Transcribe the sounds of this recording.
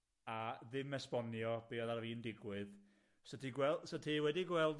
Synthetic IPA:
aðɪmɛspɔnjɔb̥iːɔðarviːndɪɡwɨð | sətʰiɡwɛlsətʰiwɛdiɡwɛlˠd

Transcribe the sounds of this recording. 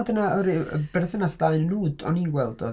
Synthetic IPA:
lˠdənaɔɾib̥ɛrθənasdaɨnənuːdɔ̰niɡwɛlˠdo̰

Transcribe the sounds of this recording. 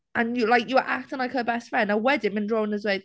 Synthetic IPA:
ʔə̃njəlaɪkjəəʔak̚tʰə̃nlaɪkhəbɛstfɹɛ̃ndaɪwɛdɪnmɪ̃ndɹõːnəzwɛd

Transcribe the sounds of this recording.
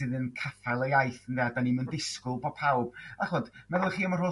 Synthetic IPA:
ɪðənkʰafalˠəjajθəndɛːdaniməndɪskʊlˠbɔ̥pʰawb̥aχɔdmɛðʊχiːəməro

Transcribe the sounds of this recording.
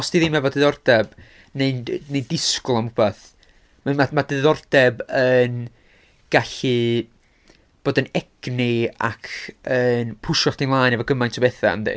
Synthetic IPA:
ɔsd̥iðimɛvɔdəðɔrd̥ɛb̥ | neɨnnejdɪskʊlˠamʊb̥aθ | mamamadɨðɔrd̥ɛbən | ɡ̥aɬɨ | b̥oːdənɛɡ̥nɪa̰kʰənpʰʊʃɔɬd̥inlˠaːjnɛvɔɡəmajntʰəbɛθa̰a̰mðḛ

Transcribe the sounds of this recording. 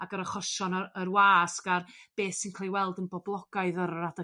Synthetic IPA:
aɡəɾəχɔʃɔnəərwaːskarb̥eːθsinkʰl̥ejwɛlˠdənbɔblˠɔɡ̥aɨðəɾada

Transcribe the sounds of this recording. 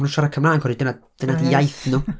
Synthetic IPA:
nuʃaɾakʰəmlˠaːnkʰɔɾidənad̥ənadijajθnʊ

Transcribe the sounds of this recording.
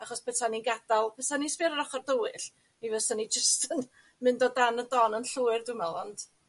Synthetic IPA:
aχɔspɛtʰaninɡad̥alˠpɛsanispɪɾəɾaχɔrdəwɨɬ | ivɛsanid͡ʒəstən | mɨndɔdanədɔnənɬuːɨrdʊmɛlˠɔnd̥

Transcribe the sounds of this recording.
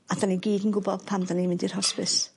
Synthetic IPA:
adaniɡiːdənɡʊbɔð̥pʰamdanimɪndir̥hɔspɪs

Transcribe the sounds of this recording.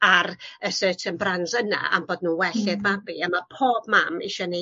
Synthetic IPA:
arəsəːtʰənbranzəna̰ʔa̰mboːdnuːwɛɬɪðmabiəmapʰoːbmamiʃɔni

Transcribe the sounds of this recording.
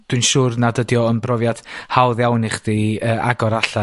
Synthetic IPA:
d̥wiɨnʃuːrnadədjɔənbrɔvjad̥hawðjawnɪχd̥iəʔa̰ɡɔɾaɬa

